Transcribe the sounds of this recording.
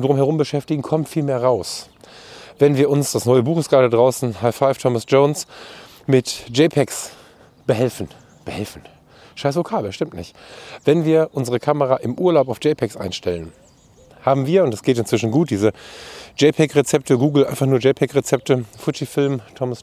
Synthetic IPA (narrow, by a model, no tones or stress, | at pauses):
dʁʊmhɦɛʁ̞ʊmbəʃɛftɪɡŋ̩kʰɔmtfiːlmeːɐʁaʊs | vɛnviːɐʔʊnsd̥asnɔʏəbuːχəsɡ̥aːldadʁaʊsn̩haɪfaɪftʰɔməsd͡ʒoʊns | mɪtd͡ʒɛɪpʰɛks | b̥əhɛlfn̩ | b̥əhɛlfn̩ | ʃaɪsv̥okʰaːbl̩ʃtɪmtnɪ̰çtv̥ɛnviːɐʔʊnzəʁəkʰaməʁaʔɪmʔuːɐlaʊpaʊd͡ʒɛɪpʰɛksʔa̰ɪnʃtɛlən | haːbm̩viːɐʊntd̥asɡ̥eːtɪnt͡sv̥ɪʃn̩ɡuːt̚d̥iːzəd͡ʒɛɪpʰɛkʁet͡sɛp̚təɡuːɡl̩ʔã̰ɪ̃nfaχnuːɐd͡ʒɛɪpʰɛkʁet͡sɛp̚təfʊt͡ʃifɪlmtʰɔməs